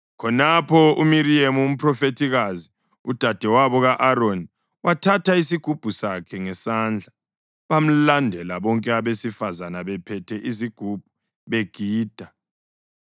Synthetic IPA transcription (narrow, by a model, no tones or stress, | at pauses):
kʰɔnapʰɔumiɾiemuum̩pʰrɔfetʰiɣazi | ud̥ʱad̥ʱɛwaβɔɣaʔaɾoni | watʰatʰaisiɡ̥ʱub̥ʱusakʰɛŋɛsand͡ɮʱa | βam̩landʱɛlaβɔŋkʼɛaβesifazanaβɛpʰɛtʰɛʔiziɡ̥ʱub̥ʱu | βeɡ̥ʱiːd̥ʱa